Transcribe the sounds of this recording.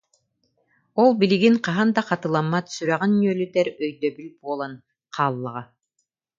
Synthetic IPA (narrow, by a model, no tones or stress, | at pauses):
ɔlˠbiliɡiŋqɑɦand̪aqɑt̪ɯlˠamːat̪syɾæʁɛnːyœlʲyt̪ɛɾœjd̪œbylbuɔlˠan | qʰaːlˠːaʁa